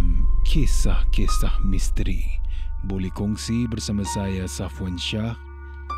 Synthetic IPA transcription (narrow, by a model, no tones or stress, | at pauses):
mkʰesahkesahmist̪ɾibolɛhkɔŋsibərsamãsajasafwanʃah